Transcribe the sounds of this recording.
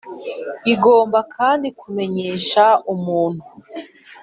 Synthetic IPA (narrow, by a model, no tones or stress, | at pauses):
iɡo̞ːmbakʰaːndikume̞ɲe̞ːʃaumuːn̥hu